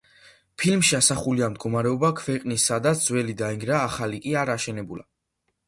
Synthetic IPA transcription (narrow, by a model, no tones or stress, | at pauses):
pʰilmʃiasaχuliamd̪̚ɡɔmaɾɛɔbakʰvɛqʼnisːad̪at̪sʰd̪z̥wɛlid̪aiŋɡɾaːχalikʼiaɾaʃɛnɛbula̰